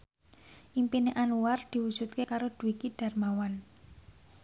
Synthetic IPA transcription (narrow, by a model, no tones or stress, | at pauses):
ʔimpineʔanuward̪̥i̤wud̥ʒ̥ṳt̪̚kekaɾod̪̥ṳwikiɖ̥a̤rmawan